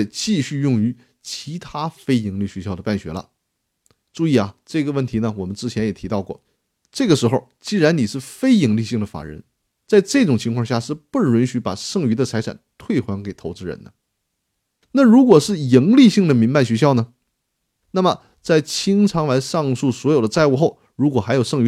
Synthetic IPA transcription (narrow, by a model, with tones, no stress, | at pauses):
t͡ɕi˥˧ɕy˥˧jʊ˥˩ŋy˧˥ | t͡ɕʰi˧˥t̪ʰa˥fe˥ɪi˧˥ŋli˥˩ɕɥɛ˧˥ɕjɑ˥˩ʊd̪ə˩pa˥˩nɕɥɛ̰˧˥lə̰˧ | ʈ͡ʂu˥˧i˥˩a˩ʈ͡ʂɤ˥˩ɡə˩wə˥˩nt̪ʰi˧˥nə˧wɔ˨˩mə˦nʈ͡ʂɻ̩˥t͡ɕʰjɛ˧˥njɛ˨˩t̪ʰi˧˥t̪ɑ˥˧ʊkwɔ̰˥˩ | ʈ͡ʂɤ˥˩ɡə˩ʂɻ̩˧˥xo˥˧ʊt͡ɕi˥˩ɻa˧˥nni˨˩ʂɻ̩˥˩fe˥ɪi˧˥ŋli˥˧ɕi˥˩ŋd̪ə˩fa̰˨˩ɻə̰˧˥n | t͡sa˥˧ɪʈ͡ʂɤ˥˩ʈ͡ʂʊ˨˩ŋt͡ɕʰi˧˥ŋkʰwɑ˥˧ŋɕja˥˧ʂɻ̩˥˧pu˥˩ɻʊ˧˥nɕy˧˥pa̰˨˩ʂɤ˥˩ŋy˧˥d̪ə˧t͡sʰa˧˥ʈ͡ʂʰa̰˨˩nt̪ʰwe˥˩ɪxwa˧˥nke˨˩ɪt̪ʰo˧˥ʊʈ͡ʂɻ̩˥ɻə̰˧˥nd̪ə̰˧ | na˥˩ɻu˧˥kwɔ˨˩ʂɻ̩˥˩ji˧˥ŋli˥˧ɕi˥˩ŋd̪ə˩mi˧˥npa˥˩nɕɥɛ˧˥ɕ̬jɑ˥ʊnə˩ | na˥˩mə˩ | t͡sa˥˩ɪt͡ɕʰi˥ŋʈ͡ʂʰɑ˧˥ŋla˧˥ɪʂɑ˥˧ŋsu˥˩swɔ˧˥jo˨˩ʊd̪ə˦t͡sa˥˧ɪu˥˧xo˥˩ʊ | ɻu˧˥kwɔ˨˩xa˧˥ɪjo˨˩ʊʂɤ˥˧ŋy˧˥